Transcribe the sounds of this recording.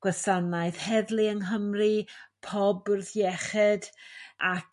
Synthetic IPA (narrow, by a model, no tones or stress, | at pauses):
ɡ̥wɛsanaɨð̥hɛðlˠiəŋɦəmripʰɔbrðjɛχɛdak